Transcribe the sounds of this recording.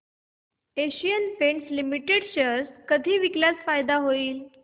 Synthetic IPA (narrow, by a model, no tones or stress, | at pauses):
eɕijənpeɳʈslimiʈeɽɕəskəd̪ʱiːʋikljat͡sfajd̪aɦoiːl